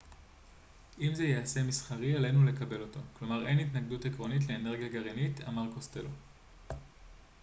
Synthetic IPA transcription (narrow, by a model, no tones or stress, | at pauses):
ʔimzejease̞misχaʁiele̞jnule̞kabe̞lo̞to̞klo̞maʁe̞jnit̪naɡdutekʁo̞nit̬le̞ːne̞ʁɡijaɡaʁinita̰maʁko̞ste̞lo